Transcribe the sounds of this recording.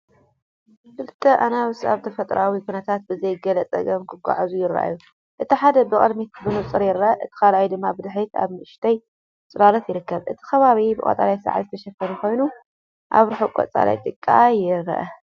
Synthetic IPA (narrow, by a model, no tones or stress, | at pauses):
kʰɨlɨt̪ʰʼːɐʔanawsa̰βt̪ʰɐfɐt̪ʼɾʔawikʰunɐt̪ʰat̪̚bɨzɐjɡɐlɐt͡sʼɐ̰ɡɐmkʰɨɡʷa̰ʕazujɪɾɐ̰ʔa̰ju | ʔɨt̪ʰiħad̪ɐbɨkʼɐ̰d̪mit̪bɨmɨt͡sʼɨɾjɪɾɐʔɐʔɨt̪ʰi̥kʰalajd̪ɨmːabɨd̪ɨħit̪a̰βmɨʔɨʃt̪ʰɐj | t͡sʼɨlalɐt̪jɪɾɨkːɐβʔɨ̰t̪ʰi̥xɐβaβibɨkʼɐ̰t̪ʼa̰lajsɐ̰ʕa̰jzɨt̪ʰɐʃɐfɐnukʰo̞jnu | ʔa̰βɾɨħokʷʼɐ̰t͡sʼa̰la̰jt̪ʼɨkʼːajɪɾ̰ʔɐ̰